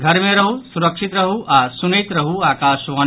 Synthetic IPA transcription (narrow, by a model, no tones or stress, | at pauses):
ɡʱɐɾmẽɾɐɦusuɾɐkʃit̪ɾɐɦuʔasunɐjt̪ɾɐɦuaːkaːʃʋɐ